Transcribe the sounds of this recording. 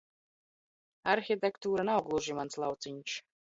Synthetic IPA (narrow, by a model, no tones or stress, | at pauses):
aɾxʲit̪ɛkt̪uːɾanawɡlˠuʒimanslˠawt̪siɲʲʃ